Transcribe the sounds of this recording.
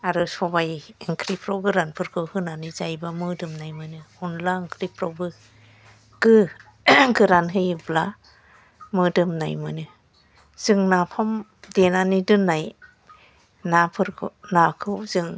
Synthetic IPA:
aɾɯsɔbajɯŋkʰɾipʰɾowɡɯɾanpʰɯɾkʰɯhɯnanizajbamɯdɯmnajmɯnɯunlaɯŋkɾipʰɾɔbɯ | ɡ̥ɯ | ɡɯɾanɦɯjɯbla | mɯdɯmna̰jmɯnɯ | z̥ɯŋnapʰamdenanidɯnːaj | napʰɯɾkʰɯnakʰɯwzɯŋ

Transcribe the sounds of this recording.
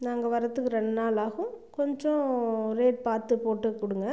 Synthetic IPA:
naːŋɡɐʋɐɾɐt̪ːɯkːɯɾɛɳɖnaːlaːɣɯ̃kɔɲd͡ʒɔ̃ɾeːʈ̚paːɾt̪ɯpoːʈːɯkːʊɽɯŋɡɐ

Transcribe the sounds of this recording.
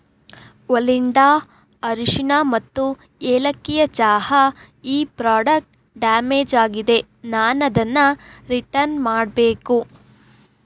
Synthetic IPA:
ʋɐliɳɖaː | ɐɾiʂinamɐt̪ːu | eːlɐkːijɐt͡ʃaːhɐ | iːpɾaːɖɐk̚ʈ | ɖaːmeːd͡ʒaːɡid̪e̞ | naːnɐd̪ɐnːɐɾiʈɐɾnmaːɽbeːku

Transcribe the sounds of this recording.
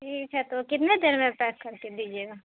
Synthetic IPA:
ʈʰiːkɦɛt̪okɪt̪ned̪eːɾmẽpɛːskɐɾked̪iːd͡ʒieːɡaː

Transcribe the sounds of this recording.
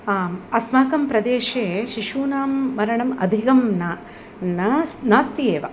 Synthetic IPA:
aːmɐsmɐɐkɐmpɾɐd̪eːʃeːʃiʂuːnaːmːɐɾɐɳɐmɐd̪ʱikɐmna | nnaːst̪ijeːʋɐ̰

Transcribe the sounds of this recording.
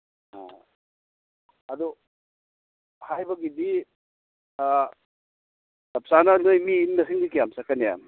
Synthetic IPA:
a̰ | ɐd̪ɔ | hajbɐɡidi | dɐp̚sananojmiːnːɐsiŋdikijamsakːaneja̰m

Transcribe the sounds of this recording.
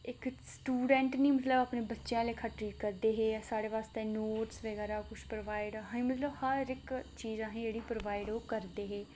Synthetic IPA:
ɪksʈuːɖɛ̃ːɳʈnĩːmət̪ləbaːpnẽːbətːʃjãːleːkʰaʈɾiːʈkəɾd̪eːɦeːsaːɽeːpaːst̪ẽːnoːʈsʋəɡɛːɾaːkʊt͡ʃʰpɾoːʋaːɪɖɦãĩmət̪ləbhəɾɪkt͡ʃiːzãːɦẽːd͡ʒeːɽiːpɾoːʋaːɪɖoːkəɾd̪eːɦeː

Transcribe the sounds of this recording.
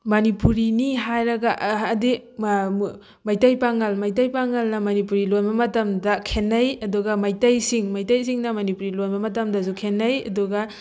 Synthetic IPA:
mɐnipuɾiniɦajɾɐɡɐʔːdi | majtajpaŋɐlmajt̬ajpaŋɐlnɐmɐnipuɾilojbɐmɐtɐmdɐkʰenːɐjɐduɡɐmajtajsiŋmajtajs̬iŋnɐmɐnipuɾilojbɐmɐtɐmdɐs̬ukʰenːɐjɐ̰duɡɐ

